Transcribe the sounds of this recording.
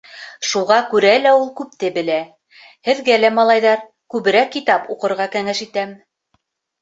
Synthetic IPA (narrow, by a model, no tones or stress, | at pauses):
ʃuʁɑkʉɾælæulˠkʉp̚t̪ɘbɘ̆læ | hɘ̆ðɡælæmɑlˠɑjðɑɾ | kʉβɘ̆ɾækːit̪ɑpuqɤ̆ɾʁɑkæŋɘʃit̪æm